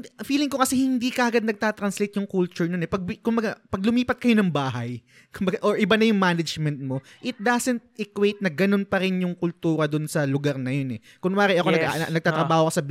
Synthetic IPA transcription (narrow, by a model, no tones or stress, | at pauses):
fiːlɪŋkokɐsɛhɪnd̪ikɐʔɐɡad̪̚nɐɡ̚t̪aːt̪ɾɐnslejt̪jʊŋkult͡ʃʊɹnonɛpɐɡ̚bkʊmbɐɡapɐɡ̚lʊmiːpɐt̪̚kɐjo̞nɐŋbaːɦɐj | kʊmbɐɡaʔoɹʔɪbanɐjʊŋmaːnɐd͡ʒmɛnt̪̚mo̞ʔɪt̪̚d̪asɛnt̪̚ɪkwejt̪̚nɐɡɐno̞npɐɾɪnjʊŋkʊlt̪uːɾɐd̪onsɐlʊɡaɾnɐjo̞nɛ | kʊŋmaːɾɪjʔɐkoɐɡa̰nɐɡ̚t̪aːt̪ɾɐbaːhokɐsɐb